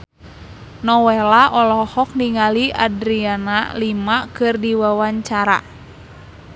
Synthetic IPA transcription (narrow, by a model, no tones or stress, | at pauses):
nɔwɛlaʔɔlɔhɔk̚niŋaliʔa̰dɾianalimakɨrdiwawaɲt͡ʃaɾa̰